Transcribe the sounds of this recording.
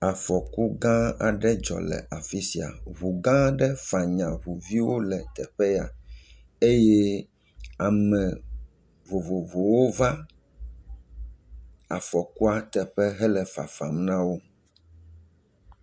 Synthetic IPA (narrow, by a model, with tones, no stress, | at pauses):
a˨fɔ˨ku˦ɡã˦a̰˨ɖɛ˦d͡ʒɔ̰˨lɛ̰˨a˨fi˦si˦a̰˨βu˨ɡã˦ɖɛ˦fa˨ɲã˨βu˨vi˦wo˦lɛ˨t̪ɛ˨ɸɛ˦ja̰˨ | e˦jɛ˦ | a˨mɛ̃˨ | vo˨vo˨vo˨wo˦va˦ | a˨fɔ˨ku˦a˦t̪ɛ˨ɸɛ˦ɦɛ˦lɛ˨fa̰˨fa̰˨mnã˦wo˦